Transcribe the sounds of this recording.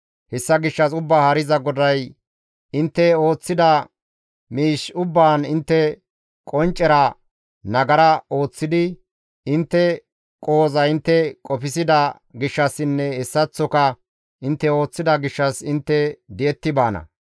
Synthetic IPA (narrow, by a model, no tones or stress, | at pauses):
hɛsːɐɡɪʃːɐsʊbːaːhɐɾɪzɐɡɔd̪ɐj | ɪnt̪ːɛo̞ːt͡sːɪd̪ɐ | miːʃʊbːaːnɪnt̪ːɛ | kʼɔnt͡ʃʼːɛɾɐ | nɐɡɐɾɐo̞ːt͡sːɪd̪ɪ | ɪnt̪ːɛ | kʼo̞ːzɐɪnt̪ːɛkʼɔpɪsɪd̪ɐ | ɡɪʃːɐsɪnːɛɛsːɐt͡sːɔkɐ | ɪnt̪ːɛo̞ːt͡sːɪd̪ɐɡɪʃːɐsɪnt̪ːɛd̪ɪɛt̪ːɪbaːnɐ̰